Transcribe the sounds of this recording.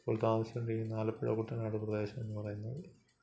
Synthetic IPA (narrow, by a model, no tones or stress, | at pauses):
polt̪aːʋɐɕiuɳɖeinaːlɐpːeɻɐ̰kuːʈːɐnaːɽuprɐðeːɕɐmenːɨpɐrɐjunːɐðɨ